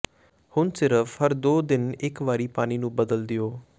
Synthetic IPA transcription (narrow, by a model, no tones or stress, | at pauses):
hʊnsɪɾəfhəɾd̪oːd̪ɪnɪkʋaːɾiːpaːniːnũːbəd̪əld̪ɪoː